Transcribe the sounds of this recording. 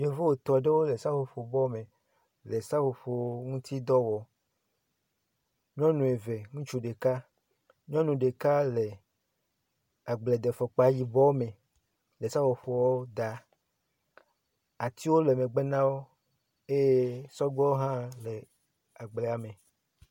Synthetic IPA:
ɲẽ˨vo˦wo˨t̪ɔ˨ɖe˦wo˦le˨sa˦fo˨fo˨bɔ˦me˨ | le˨sa˦fo˨ɸo˨˦ŋũ˦t̪i˦d̪ɔ˦wɔ˨ | ɲɔ̃˦nũ˨e˨ve˨ŋũ˦t͡ʃu˦ɖe˨ka˦ | ɲɔ̃˦nũ˨ɖe˨ka˦le˨ | a˨ɡ͡ble˨d̪e˨fɔ˨k͡pa˨ji˨bɔ˦me˨ | le˨sa˦fo˨ɸo˨wɔ˦d̪a˨ | a˨t̪ʰi˦wo˦le˨mẽ˨ɡ͡be˦nã˦wo˦ | e˦jsɔ˦ɡ͡bɔ˦wo˦ɦã˦le˨ | a˨ɡ͡ble˨a˨mẽ˨

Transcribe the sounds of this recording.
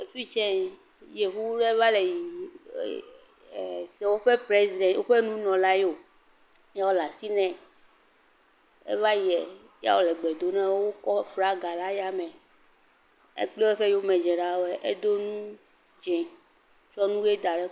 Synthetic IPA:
e˨fi˦t͡ʃɛ̃˦ | je˨ɦu˦ɖe˦va˦le˨ji˨ | sɛ˨wo˦ɸe˦pɾe˦zi˨d̪ɛ̃˨wo˦ɸe˦nũ˦nɔ̃˨la˦jo˨ | ja˦wo˦la˨si˦nɛ̃˨ | ḛ˦va˦ji˨ɛ˨ | ja̰˦wo˨lɛ˨ɡ͡be˨d̪o˦nɛ̃˦wo˦kɔ˦fɾa˦ɡa˨la˦ja˦mɛ̃˨ | ḛ˦k͡ple˦we˦ɸe˦ji˦o˦mɛ̃˨d͡ʒɛ˨ɖa˦wo˦ɛ˦ʔe˦d̪o˦nũ˦ | d͡ʒɛ̃˨ | t͡ʃɾɔ˦nũ˦ɡe˦d̪a˨ɖɛ˦

